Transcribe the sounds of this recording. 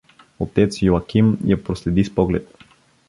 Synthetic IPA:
ot̪ɛt̪sjoakimjɛpɾoslɛd̪ispɔɡlɛ̰t̪̚

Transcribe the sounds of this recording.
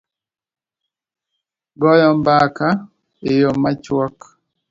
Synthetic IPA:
ɡɔjɔmbaka | ejomːat͡ʃwɔk

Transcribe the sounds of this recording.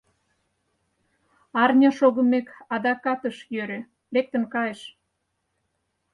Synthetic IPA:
ɑrnʲɑʃoɣə̆mekɑd̪ɑkɑt̪əʃjøɾĕ | lek̚t̪ə̆nkɑjeʃ

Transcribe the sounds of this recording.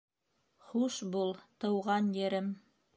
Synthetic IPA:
χuʃbulˠt̪ɤ̆wʁɑnjɘ̆ɾɘm

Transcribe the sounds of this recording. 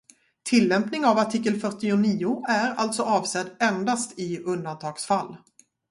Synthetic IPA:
t̪ʰɪlːɛmpnɪŋavaʈʰiːkːəlfœʈːɪʊniːʊæɾa̰lt̪sɔʔɑːvsɛd̪ɛnd̪ast̪ʰɪɵnd̪ant̪ʰɑːɡ̥sfalː

